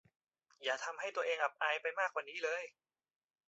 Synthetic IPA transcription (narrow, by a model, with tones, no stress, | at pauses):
jaː˨˩t̪ʰa˧mha˥˩jt̪u˧ɐʔeː˧ŋʔa˨˩p̚ʔaː˧jpa˧jmaː˥˩k̚waː˨˩nːiː˦˥lɤː˧j